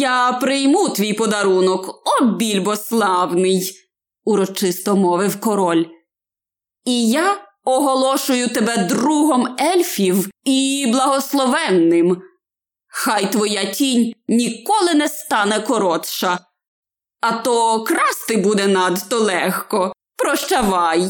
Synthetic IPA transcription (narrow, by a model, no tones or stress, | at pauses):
japɾɪjmut̪ʋʲijpɔd̪ɐɾunɔkɔbʲilʲbɔslˠɑwnɪj | uɾɔt͡ʃɪst̪ɔmɔʋɪwkɔɾɔlʲ | ija | ɔɦɔlˠɔʃʊjʊt̪ebɛd̪ɾuɦɔmɛlʲfʲiwiblˠɐɦɔslˠɔʋɛnːɪm | xɑjt̪ʋɔjatʲinʲnʲikɔlˠɪnɛst̪ɑnɛkɔɾɔt̪ʃɐ | ɐt̪ɔkɾɑst̪ɪbud̪ɛnɑd̪t̪ɔlˠɛxkɔ | pɾɔʃt͡ʃɐʋɑj